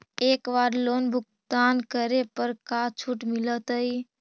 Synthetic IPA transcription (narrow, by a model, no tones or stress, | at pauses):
ekʋaɾlonbʱukt̪ankəɾepəɾkat͡ʃʰuʈmilət̪əi